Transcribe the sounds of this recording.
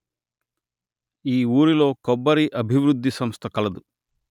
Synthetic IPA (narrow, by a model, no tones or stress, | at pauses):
iːuːɾilo̞ːkɔbːɐɾiʔɐbʱiʋɾud̪ʱːisɐmst̪ʰɐkɐlɐd̪u